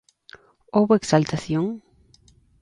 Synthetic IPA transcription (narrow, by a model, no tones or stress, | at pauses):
oβoeksalt̪aθjoŋ